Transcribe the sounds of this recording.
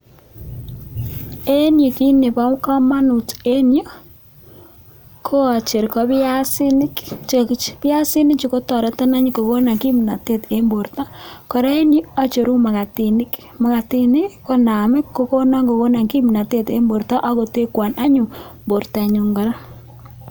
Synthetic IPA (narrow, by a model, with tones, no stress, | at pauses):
e˦njo˨ki˦ne˨pa˦wka˦ma˦nu˨te˦njo˨ | kʰo˦a˨t͡ʃe˨ɾkɔ˦ba˦sɪ˦nɪ˦kt͡ʃkt͡ʃpja˦sɪ˦nɪ˦kt͡ʃi˨ko˦tɔ˨ɾa˨˦ta˦na˦ɲi˦ko˨ko˦na˨ŋki˦m˨na˨te˦te˦mbo˨ɾta˦kɔ˨ɾa˦e˦njo˦a˦t͡ʃo˨ɾu˦ma˨ka˨ti˨nɪ˦k | ma˨ka˨ti˦nɪ˦ko˦na˨mɪ˦kːo˦ko˦na˦ŋɡo˨ko˦na˨ŋki˦m˨na˨te˦˨t̪e˦mbo˨ɾta˦ʔa˦ko˨te˦kwa˨na˦ɲʊ˨mbo˨ɾta˨ɲu˨ŋɡa˨ɾa˦